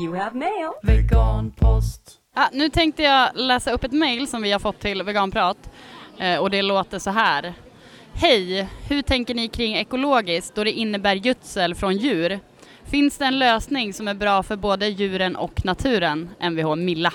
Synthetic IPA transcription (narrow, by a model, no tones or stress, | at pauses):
jelvɛɡɑːnpʰɔst̪ | jɑnʉ̟ːt̪ʰɛŋk̚t̪əjɑːlɛːsaɵpːɛt̪mɛjlsɔmvɪhaɾfɔt̪ʰːɪlvɛɡɑːnpʰɾɑːt̪ː | ɔd̪ɛloːt̪əʂɔɦæːɾ | hɛjhɵʈʰɛŋkəɳɪkʰɾɪŋːɛkʊloːɡɪskt̪̚d̪ɔɖɛʔɪnːəbæːɾjɵt̪səlfɾɔnjʉ̟ːɾ | fɪnsd̪ɛːnløːsnɪŋsɔmæɾbɾɑːfœɾboːd̪əjʉ̟ːɾənʔɔ̰kːnat̪ʰʉ̟ːɾənʔɛnvɪhɑɾmɪlːa